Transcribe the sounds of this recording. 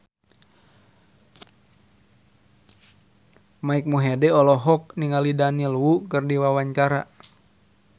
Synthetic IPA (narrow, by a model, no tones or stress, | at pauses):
maik̚moɦɛdɛɔlɔɦɔk̚niŋalidanilwukərdiwawaɲt͡ʃaɾa